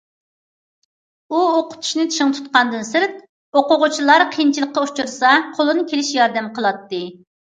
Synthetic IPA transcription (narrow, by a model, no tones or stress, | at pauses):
uoqʊ̥t̪ʰu̥ʃnɨɪt̪ʰi̥ʃɪŋt̪ʰu̥t̪̚qɑnd̪ɨnsɨɾt̪̚ | oqʊʁʊt͡ʃʰilˠɑɾqʰijnt͡ʃʰilˠəqːɑut͡ʃuɾsɑqʰolˠɨnɨkʲʰelɪʃjɑɾd̪ɛmqʰəlˠɑt̪ːɨ